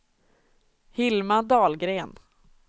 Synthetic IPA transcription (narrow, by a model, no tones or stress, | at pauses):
hɪlmad̪ɑːlɡɾeːn